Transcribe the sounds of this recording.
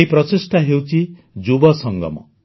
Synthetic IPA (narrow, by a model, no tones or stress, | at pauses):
ipɾɔsisʈʰaɦewt͡ʃʰi | d͡ʒubɔsɔŋɡɔ̰mɔ̰